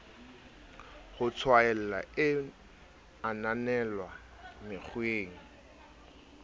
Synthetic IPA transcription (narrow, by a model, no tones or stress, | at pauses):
χʊt͡sʰwaɛl̩la̰ɪ | ananɛlwa | mɪχweːŋ̩